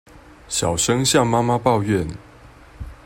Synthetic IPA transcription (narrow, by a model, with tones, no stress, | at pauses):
ɕjɑ˨˩ʊʂɤ˦ŋɕja˥˨ŋma˦ma˦pɑ˥˧ʊɥɛ˥˨n